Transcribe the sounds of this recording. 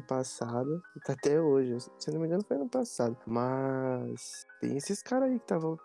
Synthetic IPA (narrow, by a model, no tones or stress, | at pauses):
ʊpasad̪ʊɪt̪aat̪ɛoʒɪsenomĩɡɐ̃nʊfojnʊpasad̪ʊmɐst̪ḛ̃j̃esɪsɪ̥kaɾaikɪ̥t̪avɐ̃w̃